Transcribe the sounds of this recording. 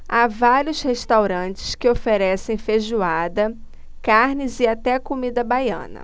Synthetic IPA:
avaɾiʊsheʃt̪awɾɐ̃t͡ʃɪ̥skɪofeɾɛsẽj̃feʒuad̪ɐ | kaɾnɪzɪat̪ɛɐkomid̪ɐbajɐ̰̃nɐ̰

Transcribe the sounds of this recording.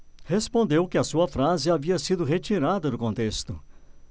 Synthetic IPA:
hespõnd̪ewkɪɐsuɐfɾazɪaviɐsid̪ʊɦet͡ʃiɾad̪ɐd̪ʊkõnt̪est̪ʊ

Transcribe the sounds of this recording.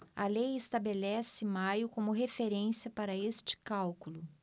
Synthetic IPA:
ɐlejɪst̪abelɛsɪmajʊkõmʊɦefeɾẽsiɐpaɾɐest͡ʃɪ̥kawkulʊ

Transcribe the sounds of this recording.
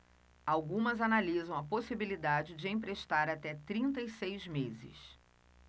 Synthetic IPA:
awɡũmɐzanalizɐ̃w̃ɐposibilid̪ad͡ʒɪd͡ʒɪẽj̃pɾeʃt̪aɾat̪ɛt̪ɾĩnt̪ɐisejzmezɪ̰s

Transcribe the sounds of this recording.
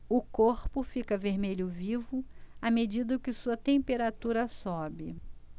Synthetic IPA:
ʊkoɾpʊfikɐveɾmeʎʊvivʊamed͡ʒid̪ʊkɪsuɐt̪ẽpeɾat̪uɾɐsɔbɪ

